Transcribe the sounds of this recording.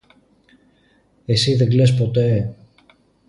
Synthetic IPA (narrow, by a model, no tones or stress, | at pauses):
esiðeɡlespo̞t̪e